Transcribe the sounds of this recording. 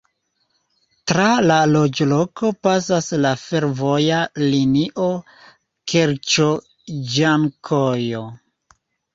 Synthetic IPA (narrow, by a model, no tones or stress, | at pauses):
tɾalalo̞d͡ʒlo̞kʰo̞pasaslafe̞ɾvo̞jaliniʔo | kʰeɾt͡ʃo | d͡ʒaŋkʰojo